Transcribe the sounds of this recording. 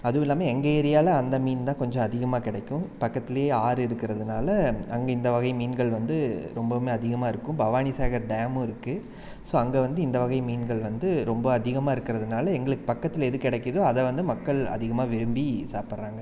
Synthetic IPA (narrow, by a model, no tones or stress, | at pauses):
ɐðɯɪlːaːmɐɛŋɡeɛɾɪjaːlɐɐnd̪ɐmiːnt̪ãːkɔɲd͡ʒɔ̃ɐðɪɣɐmaːkɪɽɐkːʊ̃pɐkːɐt̪ːɪlɐjeːaːɾɯɪɾɯkːɪɾɐðɯnaːlɐɐŋɡɐɪnd̪ɐʋɐɣɐɪmiːnɡɐɭʋɐnd̪ɯɾɔmbɐmeːɐðɪɣɐmaːɪɾɯkːʊ̃mbɐʋaːnɪsaːɣɐɾɖaːmɪɾɯkːɯ | soːɐŋɡeʋɐnd̪ɯɪnd̪ɐʋɐɣɐɪmiːnɡɐɭʋɐnd̪ɯɾɔmbɐɐðɪɣɐmaːɪɾɯkːɪɾɐðɯnaːlɐɛŋɡɐɭɯkːɯ̥pɐkːɐt̪ːɪlɛðɯkːɪɽɛkːɯðoːɐðɛʋɐnd̪ɯmɐkːɐɭɐ̰ðɪɣɐmaːʋɪɾɯmbisaːɾpɐɾɾaːŋɡɐ